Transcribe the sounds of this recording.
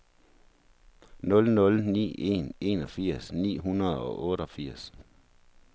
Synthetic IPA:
nɔ̽lnɔ̽lnḭːe̝̰ne̝nɒ̽fiɐ̰snḭːɦunɐð̩ˠɒ̽ʔɔ̽ːɾəɒ̽fiɐ̰s

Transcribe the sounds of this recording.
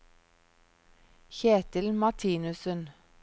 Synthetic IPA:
çeːt̪əlmɑtʰiːnʉsən

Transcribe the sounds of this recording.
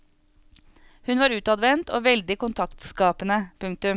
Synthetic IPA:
hʉnʋɑːɾʉːt̪ɑd̪ʋɛnt̪ʰo̰ːʋɛld̪ɪkʊnt̪ʰɑkt̪skɑːpənəpʰʉŋ̚t̪ʉm

